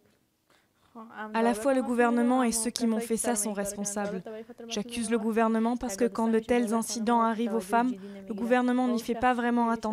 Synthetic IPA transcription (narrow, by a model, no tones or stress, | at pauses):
alafwaləɡuvɛʁnəmɑ̃esøkʲimɔ̃fɛsasɔ̃ʁɛspɔ̃sablʒ̥akʲyzləɡuvɛʁnəmɑ̃paʁsə̥kəkɑ̃d̪ət̪ɛlzɛ̃sid̪ɑ̃aʁivofam | ləɡuvɛʁnəmɑ̃nifɛpavʁɛmɑ̃at̪ɑ̃